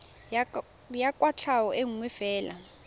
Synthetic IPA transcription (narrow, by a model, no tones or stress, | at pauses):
jakʼwat͡ɬʰawɔʔeŋuŋwɛfɛːla̰